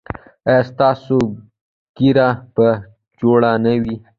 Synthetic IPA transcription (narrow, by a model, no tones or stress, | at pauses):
əst̪ɑso | ɡ̥iɾapə | d͡ʒoɽanəwi